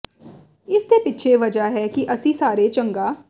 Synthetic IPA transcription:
ɪst̪eːpɪtːʃʰeːʋəd͡ʒaːɦɛːkɪʔəsĩːsaːɾeːt͡ʃəŋɡaː

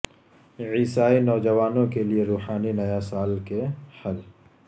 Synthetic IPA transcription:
ʕiːsaːinɔːd͡ʒɐʋaːnõkelieɾuːħaːninɐjasaːlkehɐl

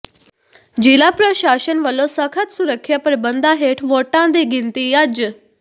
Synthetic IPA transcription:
d͡ʑilapɾəɕaɕənʋəlosəkʰat̪suɾəkʰjapɾəbənd̪aɦeʈʰʋoʈãd̪eɡʱint̪ijad͡ʑə

